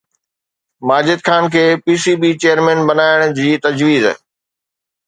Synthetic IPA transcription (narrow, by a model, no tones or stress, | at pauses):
maːd͡ʑɪd̪kʰaːnkʰeːpiːsibit͡ɕejəɾmɛ̃ːnbɐnaːɪɽ̃d͡ʑiːt̪ɐd͡ʑʋiːz